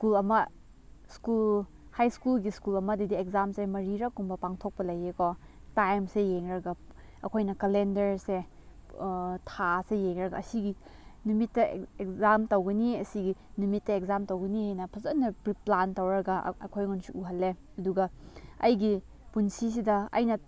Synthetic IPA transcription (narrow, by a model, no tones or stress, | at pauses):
skulɐmɐ | skul | hajskulɡiskulɐmɐdidiekzamsemɐɾiɾɐkumbɐpaŋtʰok̚pɐlɐjeko | tajmsejeŋɾɐɡɐ | ɐkʰojnɐkɐlendɐɾse | tʰasejeŋɾɐɡɐːsiɡi | numitːɐekzamtɐwɡɐniɐsiɡinumitːɐekzamtowɡɐnihajnɐpʰɐzɐnːɐpɾiplantɐwɾɐɡɐ̰ɐ̰kʰojŋunsiʔuɦɐlːe | ɐduɡɐɐjɡi | punsis̬idɐɐ̰jnɐ